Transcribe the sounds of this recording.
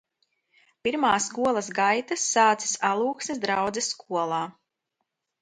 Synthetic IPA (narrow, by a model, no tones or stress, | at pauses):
piɾmaːsːkuɔlˠɐsɡajt̪asːaːt̪si̥salˠuːksmʲɛzd̪ɾawd̪zɛsːkuɔlˠaː